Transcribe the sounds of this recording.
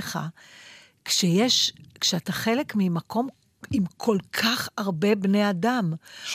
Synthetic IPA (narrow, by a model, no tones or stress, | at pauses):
χa̰ | kʃejeʃkʃeataχelekmimakʰo̞m | imkʰo̞lkʰaχaʁbe̞bne̞jadam